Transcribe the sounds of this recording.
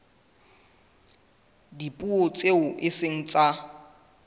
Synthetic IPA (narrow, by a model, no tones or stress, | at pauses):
dipʼuot͡sʼeʊʔɪseŋ̩t͡sʼa